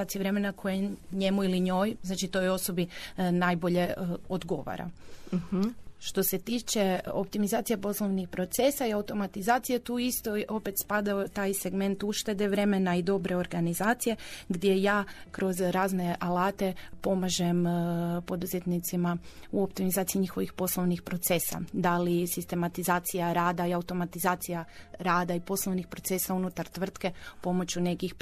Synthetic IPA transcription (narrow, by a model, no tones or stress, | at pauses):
at̪ieɾe̞menakʰo̞jeɲe̞muiliɲo̞ːjznat͡ʃit̪ojo̞so̞binaːjbo̞ʎe̞od̪ɡo̞̰ʋa̰ɾa̰ | ʃt̪o̞se̞t̪iːt͡ʃe̞o̰p̚t̪imizaːt̪ije̞po̞slˠo̞ʋnixpɾo̞t̪se̞saiaut̪o̞mat̪izaːt̪sijet̪uist̪oʔo̞pe̞t̪spad̪aot̪aːjse̞ɡme̞nt̪uʃt̪e̞d̪eʋɾe̞menaid̪o̞bɾe̞o̞ɾɡanizaːt̪sije̞ɡd̪ʲje̞jaːkɾo̞zɾaːzne̞ʔalaːt̪e̞po̞maʒempo̞d̪uzet̪nit̪simauopt̪imizaːt̪sijiɲixo̞ʋixpo̞slˠo̞ʋnixpɾo̞t̪se̞sa̰d̪alisist̪e̞mat̪izaːt̪sijaɾaːd̪aiaut̪o̞mat̪izaːt̪sijaɾaːd̪aipo̞slˠo̞ʋnixpɾo̞t̪se̞saunut̪aɾt̪ʋr̩t̪ke̞po̞mo̞t͡ɕune̞kix